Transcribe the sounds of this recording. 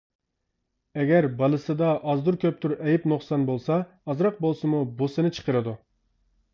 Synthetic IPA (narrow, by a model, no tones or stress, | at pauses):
ɛɡʲɛɾbɑlˠɨsɨd̪ɑʔɑzd̪uɾkʲʰøp̚t̪ʰuɾɛjipnoχsɑnbolˠsɑ | ɑzɾɑq̚bolˠsɨmubosɨnɨt͡ʃʰə̥qʰəɾɨd̪u